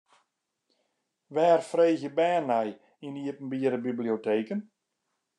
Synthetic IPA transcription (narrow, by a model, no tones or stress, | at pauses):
ʋɛːrfreːɣjəbɛːnːɛj | iniəpn̩biəɾəbiblioteːkən